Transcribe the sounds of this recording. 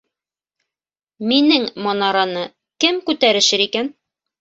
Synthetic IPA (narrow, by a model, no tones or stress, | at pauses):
minɘŋmonɑɾɑnɤ | kɘmkʉt̪æɾɘ̆ʃɘɾikæn